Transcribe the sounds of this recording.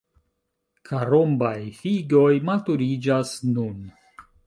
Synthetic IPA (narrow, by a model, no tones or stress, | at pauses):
kʰaɾombajfiɡo̞jmatuɾid͡ʒasnun